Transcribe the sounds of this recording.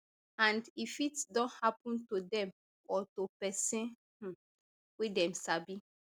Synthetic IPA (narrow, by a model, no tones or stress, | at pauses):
ãndifitdɔ̃nhapɔ̃ntodɛ̃m | ɔtopɛsɛ̃n̩ | widɛ̃msabi